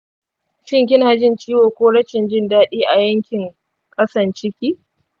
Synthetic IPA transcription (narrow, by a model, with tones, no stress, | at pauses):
ʃɪ˦ŋk̬ʲɪ˦naː˨d͡ʒɪ˦nt͡ʃʼiː˦woː˨kʷoː˦ɽɐ˦t͡ʃɪ˨nd͡ʒɪ˦ndaː˦ɗiː˦ʔa˨jɐ˦ŋkʲɪ˨ŋ | kʼɐ˦sɐ˨nt͡ʃɪ˦kʲiː˦